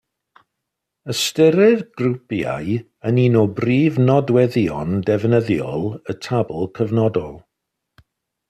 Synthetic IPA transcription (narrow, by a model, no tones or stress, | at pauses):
əstəɾɪðɡ̥rupja̰j | əninɔbriːvnɔdwɛðjɔndɛvnəðjɔlˠətʰablˠkʰəvnɔdɔlˠ